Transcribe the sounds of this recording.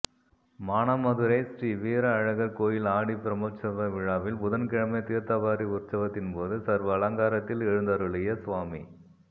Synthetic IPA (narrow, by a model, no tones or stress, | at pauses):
maːnamɐðɯɾɐɪsriʋiːɾɐːɻɐɣɐɾkoːjɪlaːɽipɪɾɐmoːt͡ʃːɐʋɐʋɪɻaːʋɪlpʊðɐnkɪɻɐmɐɪt̪iːɾt̪ɐʋaːɾiʊrt͡ʃɐʋɐt̪ːɪnpoːðɯsɐɾʋɐːlɐŋɡaːɾɐt̪ːɪlɛɻɯnd̪ɐɾɯɭɪjɐsʊʋaːmḭ